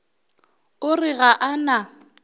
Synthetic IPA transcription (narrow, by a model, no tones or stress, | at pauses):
ʊrɪɣaʔana